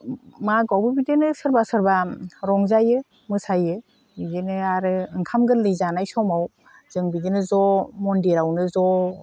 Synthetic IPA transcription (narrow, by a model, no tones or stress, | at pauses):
maɡawbɯbidenɯsɯɾbasɯɾbaɾɔŋzajɯ | mɯsajɯ | bidenɯaɾɯɯŋkʰamɡɯnlɯjzanajsɔmaw | zɯŋbidenɯzɔmɔndiɾawnɯzɔ